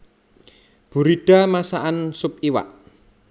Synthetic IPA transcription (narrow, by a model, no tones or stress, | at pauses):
b̥ṳɾiɖ̥a̤masaʔansʊp̚iwa̰ʔ